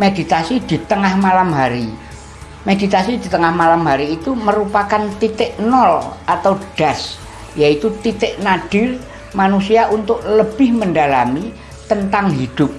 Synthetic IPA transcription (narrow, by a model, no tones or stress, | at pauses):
med̥it̪asid̪̥it̪əŋahmalamɦaɾi | medit̪asid̪̥i̤t̪əŋahmalamɦaɾiːt̪uməɾupakant̪it̪ɪʔnɔlʔat̪awɖ̥as | jait̪ut̪it̪ɪʔnaɖ̥ɪr | manusiaʔunt̪ʊʔləb̥ɪhməndalami | t̪ənt̪aŋɦid̪̥ʊp̚